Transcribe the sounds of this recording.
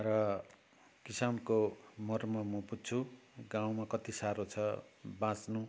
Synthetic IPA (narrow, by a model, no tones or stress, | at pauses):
rʌ | kisankomʌrmʌmʌputt͡sʰuɡaw̃makʌt̪isaɾot͡sʰʌbãt͡snu